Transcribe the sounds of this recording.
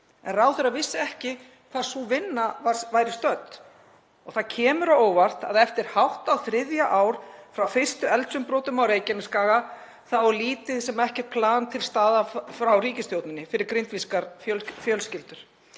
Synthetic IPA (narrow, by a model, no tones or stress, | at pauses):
ɛ̰nrawθɛɾavɪsːɪɛhcɪ | kʰvaɾ̥suvɪnːavaɾ̥vaːjɾɪst̪œt̪ | ɔɣθaðcʰɛːmʏɾaoːwvar̥t̪a̰ðɛft̪ɪɾ̥hawht̪awθɾɪðjaʔaːwɾ̥fɾawfɪ̥st̪ʏɛlt̪sʏmpɾoːt̪ʏmawɾeːjcɛnɪskaːɣa | θawɔliːt̪ɪðsɛmaɛhcɛɾ̥t̪̚pʰlaːnt̪ʰɪlst̪aːðafɾawriːcɪst̪jowt̪nɪnːɪfɪɾɪɾkɾɪnt̪viskaɾfjœlfjœlscɪlt̪ʏɾ̥